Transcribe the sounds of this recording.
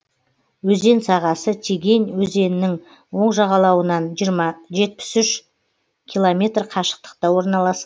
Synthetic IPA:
wɵze̞nsɑʁɑsət̪ʲʰeɡʲe̞nwɵze̞nɪnɪŋ | wo̞ɴʒɑʁɑlˠɑwənɑnʒe̞t̪̚pɪ̥sʏʃ | kʲʰilˠomʲe̞t̪rqʰɑʃə̥q̚t̪ə̥q̚t̪ɑwo̞ɾnɑlˠɑs

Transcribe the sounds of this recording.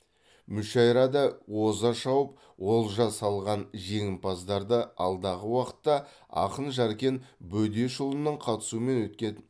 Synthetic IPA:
mʏʃɑjɾɑd̪ɑwo̞zɑʃɑwəp̚ | wo̞lˠʒɑsɑlˠʁɑnʒe̞ŋʲɪmpʰɑzd̪ɑɾd̪əɑ̰lˠd̪ɑʁəwɑqə̥t̪ːɑ | ɑ̰qənʒɑɾkʲe̞nbɵd̪e̞ʃʊlˠənːəɴqʰɑt̪ə̥suəme̞nwɵt̪kʲe

